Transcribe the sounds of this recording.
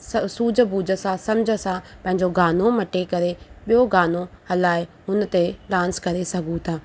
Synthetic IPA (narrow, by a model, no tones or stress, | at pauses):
suːd͡ʑəbuːd͡ʑə̆sãsɐmd͡ʑʱə̆sãpɐ̃ɦɪ̃ɲd͡ʑoɡaːnomɐʈekɐɾeɓijoɡaːnohɐlaːɪɦʊn̆t̪eɗãːnskɐɾesɐɡʱũt̪ʰaː